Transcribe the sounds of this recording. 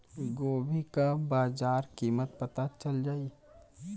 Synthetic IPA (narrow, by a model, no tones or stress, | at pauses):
ɡoːbʱikabaːzaːɾkiːmət̪̚pɐt̪at͡ʃɐld͡ʒaːi